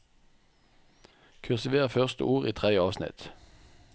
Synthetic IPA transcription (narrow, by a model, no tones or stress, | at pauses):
kʰʉlsɪʋeːʁəfœʁst̪ə̰ʔuːʁiːt̪ʰʁɛd̪jəɑːʋsnɪ̰t̪